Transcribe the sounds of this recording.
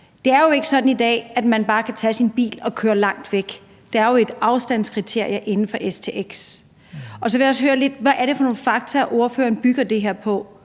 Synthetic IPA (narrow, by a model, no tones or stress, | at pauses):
d̥e̝æɐjo̝e̝ɡ̥əsɒ̽d̥n̩id̥ɛ̰ːæd̥mænb̥ɑ̈ːkʰæt͡sʰɛ̰sinb̥ḭːlɒ̽kʰøːɐlɑ̈ŋ̰d̥ʋeɡ̥ | d̥eæɐjo̝e̝d̥ɑ̈ʊsd̥æn̰skʰʁit͡sʰe̝ɐ̰iɐʔe̝nn̩fɒ̽ʔest͡sʰe̝̰ːʔeɡ̥s | ɒ̽sɒʋejæɒ̽sɦøːɐle̝d̥̚ʋæʔæɐɾe̝fɒ̽no̝ːnfɑ̈ɡ̥t͡sʰɐʔo̝ɐfø̰ːɐnb̥yɡ̥ɐd̥e̝ɦeɐ̰pʰɒ̽